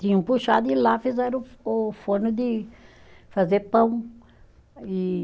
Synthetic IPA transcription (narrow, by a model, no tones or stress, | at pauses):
t̪ĩɲɐũpuʃad̪ʊɪ̃lafizɛɾ̃ʊfõnʊd̪ɪ | fazeɾpɐ̃w̃ | ɪ